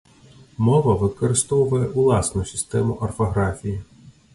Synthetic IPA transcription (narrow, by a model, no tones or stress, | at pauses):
mɔʋɐʋɪkɔɾɪst̪ɔwʊʋɐjɛʔulˠɑsnʊsʲɪ̥st̪ɛmʊʔɐrfɐɦɾɑfʲiji